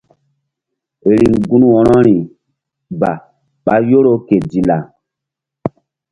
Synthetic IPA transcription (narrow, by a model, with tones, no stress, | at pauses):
e˨ɾi˨ŋɡũ˦nwɔ˨ɾɔ˦ɾi˨ | ba˨ | ɓa˦jo˦ɾo˦ke˨di˨la˨